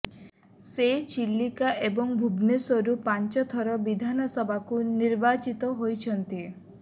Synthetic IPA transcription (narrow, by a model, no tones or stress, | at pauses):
set͡ʃilːikaʔebɔŋbʱubnesɔɾupant͡ʃɔt̪ʰɔɾɔbid̪ʱanɔsɔbakuniɾbat͡ʃit̪ɔɦojt͡ʃʰɔnt̪i